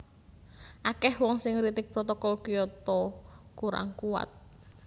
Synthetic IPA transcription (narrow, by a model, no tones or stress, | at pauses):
ʔakɛhwɔŋsɪŋɾit̪ɪk̚pɾɔt̪ɔkɔlkijɔt̪ɔkuɾa̰ŋkuwa̰t̪̚